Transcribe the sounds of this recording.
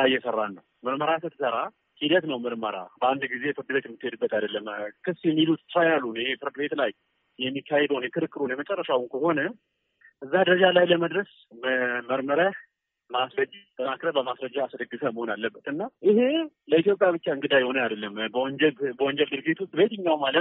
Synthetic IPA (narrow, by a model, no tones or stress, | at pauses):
ajːɛsərːanːəwməɾməɾasət̪ʰɨsəɾa | hid̪ət̪nəwmɨɾməɾa̰bəand̪ɡize̞fɨɾd̪be̞t̪ɪmːt̪ːhed̪ɨbːət̪ʰajd̪əlːəmkʰɨsjɛmːilut̪ʰɨ̥ɾajalːunjhe̞fɨɾd̪ɨbe̞t̪laj | jɛmːikʰːahed̪əwnjɛkʰɨɾɨkːɨɾonjɛmət͡ʃʼərːəʃawnkʰəho̞nə | ʔɨzːad̪əɾəd͡ʒalajləməd̪ɾəs | mməɾməɾa | masɾəd͡ʒt̪ʰʼːənakɾəbəmasɾəd͡ʒːaːsd̪əɡːɨfəməho̞nalːəbːət̪ɨnːaʔiheləit̪jo̞pʼjaβɨt͡ʃːaɨŋɡɨd̪ajɪho̞nəjad̪əlːəmbəwɔɲd͡ʒɛlbəwɔnd͡ʒɛld̪ɨɾɡit̪wʊst̪ʼbe̞t̪ʰɨɲːawmalət̪